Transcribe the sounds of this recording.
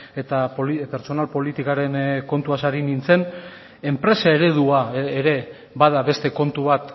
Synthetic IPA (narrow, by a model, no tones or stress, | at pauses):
et̪apolipe̞ɾt͡ʃo̞nalpo̞lit̪ikaɾe̞nko̞nt̪uasaɾinint͡se̞n | e̞mpɾe̞sae̞ɾe̞ð̞uaːɾe̞ | bað̞aβe̞st̪e̞ko̞nt̪uβat̪